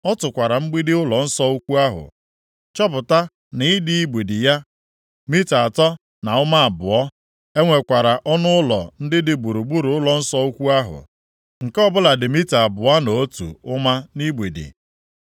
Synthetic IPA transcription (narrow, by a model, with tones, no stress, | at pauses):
ɔ˦tʊ˨kʷa˨ɾa˨m̩˦ɡ͡bi˦dɪ˦ʊ˦lɔ˨n̩˦sɔ˦u˦kʷu˦a˦ɦʊ̰˨ | t͡ʃɔ˦p̬ʊ˨ta˦ | nɪ˨˦ɪ˦dɪ˦i˦ɡ͡be˨di˨ja˦ | mi˦ta˨a˨tɔ˦ | na˨ʊ˦ma˦a˨bʊ˨ɔ˦ | e˦ŋʷe˨kʷa˨ɾa˨ʔɔ˦nʊ˦lɔ̰˨n̩˦dɪ˦dɪ˨ɡ͡bu˨ɾu˨ɡ͡bu˦ɾu˨˦ʊ˦lɔ˨n̩˦sɔ˦u˦kʷu˦a˦ɦʊ̰˨ | ŋ̩˨kɔ˦bʊ˦la˨dɪ˨mi˦ta˨a˨bʊ˨a˦no˨o˦tṵ˨ʊ˦ma˦ni˦ɡ͡bʷe˨dḭ˨